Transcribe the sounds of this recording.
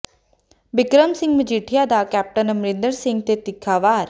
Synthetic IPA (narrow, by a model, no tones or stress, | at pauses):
bɪkɾəmsɪ̃ŋɡməd͡ʒiːʈʰijad̪aːkɛːp̚ʈənəmɾɪ̃nd̪əɾsɪ̃ŋɡ̚t̪et̪ɪkʰːaːʋaːɾ